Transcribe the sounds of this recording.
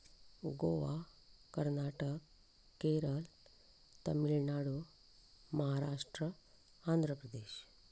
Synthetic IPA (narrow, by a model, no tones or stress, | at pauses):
ɡoʋakəɾnaːʈəkː | eɾəl | t̪ɐmilnaɽu | mɐɦaɾaːʂʈɾə | aːnd̪ʱɾəpɾəd̪eːɕ